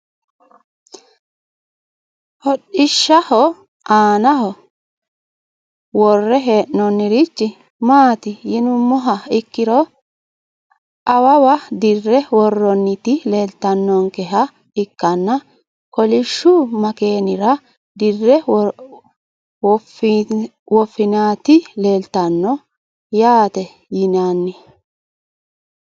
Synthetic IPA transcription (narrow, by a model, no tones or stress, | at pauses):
hɔɗɪʃːɐhɔ | aːnɐhɔ | wɔrːɛɦeːʔnɔnːɪɾit͡ʃːɪ | maːt̪ɪjɪnʊmːɔɦɐɪkːɪɾɔ | ɐwɐwɐd̪ɪrːɛwɔrːɔnːɪt̪ɪle̞ːlt̪ɐnːɔŋkɛɦɐ | ɪkːɐnːɐ | kɔlɪʃːʊmɐke̞ːnɪɾɐ | d̪ɪrːɛ | wf | wɔfːɪnaːt̪ɪle̞ːlt̪ɐnːɔ | jaːt̪ɛ | jɪnanːɪ